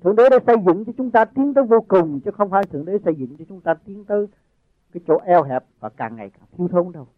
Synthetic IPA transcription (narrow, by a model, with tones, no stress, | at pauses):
t̪ʰɨ˨əŋɗe˨˦ɗaː˨˦sə˧jzɨ̰˧˨ŋt͡ɕɔ˧t͡ɕʊ˨˦ŋ͡mt̪aː˧t̪i˨˦ənt̪əː˨˦jvo˧kʊ˨˩ŋ͡mt͡ɕɨ˨˦xə˧wŋ͡mfaː˧˦jt̪ʰəŋɗe˨˦sə˧jzɨ̰˧˨ŋt͡ɕɔ˧t͡ɕʊ˨˦ŋ͡mt̪aː˧t̪i˨˦əŋt̪əː˨˦j | kaː˨˦jt͡ɕo̰˧˥ʔɛ˧wɦɛ˨˩p̚vaː˨˩kaː˨˩ŋŋa˨˩jkaː˧˩t̪ʰi˧wt̪ʰəː˧˦ɗə˧w